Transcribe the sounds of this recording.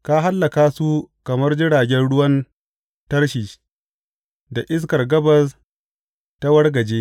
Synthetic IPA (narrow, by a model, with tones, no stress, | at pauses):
ka˦ɦa˦lːɐ˨kaː˦su˦kɐ˨mɐ˦rd͡ʒɪ˦ɽaː˨ɡʲɛ˦nɽʊ˦wɐ˦n | tɐ˦rʃiː˨ | da˨ʔɪ˦s̬kɐ˨rɡɐ˦bɐ˨s | ta˦wɐ˦rɡɐ˨d͡ʒeː˦